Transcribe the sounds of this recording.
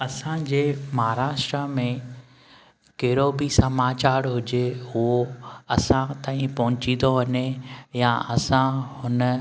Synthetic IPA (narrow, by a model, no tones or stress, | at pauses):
ɐsãd͡ʑeːmɐɦaɾaːʃʈɾəmẽ | keɾobisɐmaːt͡ɕaːɾɦʊd͡ʑeɦʊɦoɐsãt̪ãːĩpɐɦʊ̃t͡ɕĩnd̪oʋɐɲejaʔɐsãhʊnə